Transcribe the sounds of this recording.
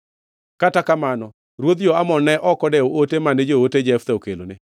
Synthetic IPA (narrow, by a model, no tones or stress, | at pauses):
katakamanɔ | ɾwod̪d͡ʒoamɔnɛʔɔkɔdɛootemaned͡ʒooted͡ʒɛft̪aokelo̰nɪ